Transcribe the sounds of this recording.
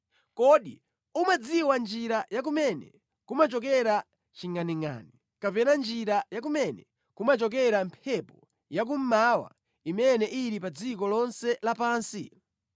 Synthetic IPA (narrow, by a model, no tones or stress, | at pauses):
kɔɗḭ | umad͡ziwand͡ʒiɾajak̬umɛnɛ̰ | kumat͡ʃɔkɛɾa | t͡ʃiŋaniŋa̰ːni | kapɛnand͡ʒiɾajak̬umɛnɛ | kumat͡ʃɔk̬ɛɾampʰɛpɔ | jak̬um̩mawa̰ | imɛnɛʔiɾipad͡zikɔlɔnsɛlapaːnsḭ